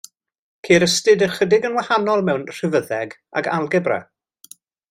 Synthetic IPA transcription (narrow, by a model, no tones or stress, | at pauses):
kʰeːɾəstɨdəχədɪɡənwahanɔlˠmɛwnr̥ɪvəðɛɡ | a̰ɡalˠɡɛbrɛ̰